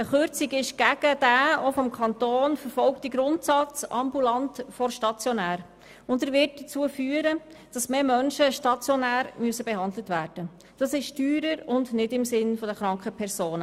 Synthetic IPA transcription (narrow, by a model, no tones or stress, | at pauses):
əχøɾt͡siɡɪʃɡ̥æɡ̥əd̥æːofɔmkʰɑntoːnfəɾfɔlktiɡɾʊntsɑt͡sɑ̰mbulɑntfɔɾʃtɑt͡sjɔnæːɾ | ʊndæɾʋɪt̚dət͡suːəfyːəɾə | d̥ɑsmeːmœnʃəʃtɑt͡sjɔnæːɾmyəsəbɛɦɑndlətvæːɾd̥ə | d̥ɑsɪʃtyːɾəɾʊndnɪdɪmsɪnfɔdəχɾɑŋkχəpʰɛɾsoːnə